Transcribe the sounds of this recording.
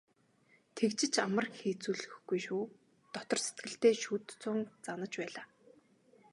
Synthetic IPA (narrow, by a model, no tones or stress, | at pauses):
t̪ʰekt͡ɕɪ̆t͡ɕamə̆rxiːt͡suːɮɘxɡujʃuː | t̪ɔt̪ɞ̆rset̪̚ɡɘ̆ɬt̪eːʃuːt̪t͡sʊːnt͡sanə̆t͡ɕpæːɮaː